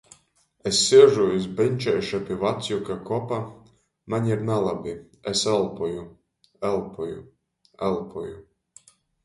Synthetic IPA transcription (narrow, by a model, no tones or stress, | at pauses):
ɛsʲːiɛʒuizbɛnʲt͡ʃɛjʃapʲivat̪sʲjukakɔɔpa | maɲʲiɾnalˠabʲi | ɛsɛlˠpɔju | ɛlˠpɔjṵ | ɛlˠpɔju